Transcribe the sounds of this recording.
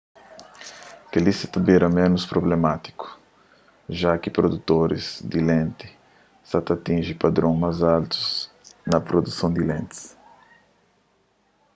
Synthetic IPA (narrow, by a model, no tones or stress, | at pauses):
kelisɪ̥t̪ɐbeɾɐmẽnʊspɾoblemat̪i̥ku̥ | ʒakɪpɾod̪ut̪oɾɪz̥d̪ɪlẽnt̪ɪ̥ | sat̪at̪ĩnʒipad̪ɾõmajzalt̪u̥z | nɐpɾod̪usɐ̃w̃d̪ilẽnt̪ɪ̥s